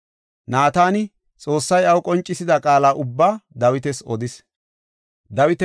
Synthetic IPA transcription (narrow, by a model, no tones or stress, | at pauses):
naːt̪aːnɪ | t͡sʼo̞ːsːɐjɐwkʼɔnt͡ʃʼːɪsɪd̪ɐkʼaːlaːʔʊbːaːd̪ɐwɪt̪ɛsɔd̪ɪs | d̪ɐwɪt̪ɛ